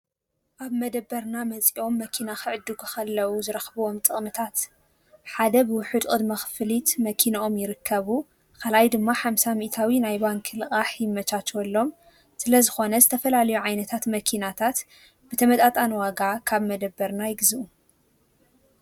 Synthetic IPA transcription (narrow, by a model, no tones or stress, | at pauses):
ʔaβmɐd̪ɐbːɐɾnamɐt͡sʼiʔo̞mːɐkʰinaxɨʕɨd̪ːukʰɨxɐlːɐwuzɨɾɐxβuwo̞mt̪ʼɨχʼmɨt̪ʰat̪ | ħad̪ɐbɨwʊħɨd̪kʼɨd̪mɐxfɨlit̪mɐkʰinaʔo̞mjɪɾɨkʰːɐβu | kʰalajd̪ɨmːaħamsamiʔt̪ʰawinajbaŋkʰɨlɨɣʼaħjɪmːɐt͡ʃat͡ʃwɔlːo̞m | sɨlɐzɨxo̞nɐzɨt̪ʰɐfɐlalɐjuʕajnɐt̪ʰat̪mɐkʰinat̪ʰat̪ | b̥ɨt̪ʰɐmɐt̪ʼat̪ʼanwaɡakʰaβmɐd̪ɐbːɐɾnajɪɡzuʔu